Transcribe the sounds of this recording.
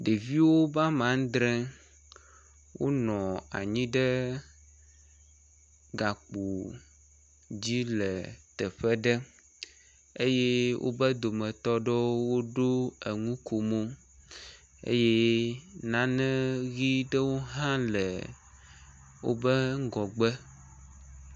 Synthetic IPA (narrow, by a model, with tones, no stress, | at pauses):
ɖe˨vi˦wo˦ba˦mã˨˦ŋ˦d̪ɾɛ̃˦ | wo̰˦nɔ̃˨a̰˨ɲĩ˦ɖə˦ | ɡa˨k͡po˨ | d͡ʑi˦lə˨t̪ə˨ɸə˦ɖə˦ | e˦je˦wʔo̰˦bə˦d̪o˨mə̃˨t̪ɔ˦ɖə˦wo˦ɖo˦ə˨ŋũ˦ko˨mõ˦ | ḛ˦je˦nã˨˦nɛ̃˦ɣi˦ɖə˦wo˦ɦã˦lə˨ | wo̰˦bə˦ŋ˦ɡɔ˨ɡ͡bə˦